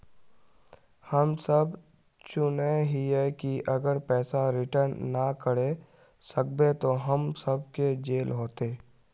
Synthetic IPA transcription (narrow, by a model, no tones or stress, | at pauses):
hɐmsəb | t͡ʃʊneɦiɦɛkiɐɡəɾpɛːsaɾɪʈəɾnːakəɽe | sək̚bet̪oɦɐmsəb̚ked͡ʒeːlɦoːt̪eː